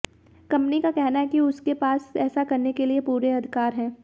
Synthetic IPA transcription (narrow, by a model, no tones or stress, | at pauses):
kɐ̃mpnikakɛɦnaɦɛkiʊskepaːsɛːsakɐɾnekeliepuːɾeɐd̪ʱɪkaːɾɦɛ̃ː